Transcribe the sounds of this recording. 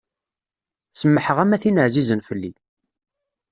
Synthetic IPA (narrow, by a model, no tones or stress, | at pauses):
səmːəħəʁæmæθinəʕzizənfəlːi